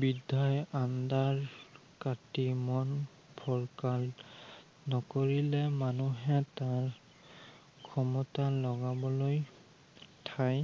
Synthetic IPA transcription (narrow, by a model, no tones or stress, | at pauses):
bidʱajandaɹ | katimɔn | pʰɔɹkal | nɔkoɹilɛmanuɦɛtaɹ | kʰɔmɔtalɔɡabɔloj | tʰaj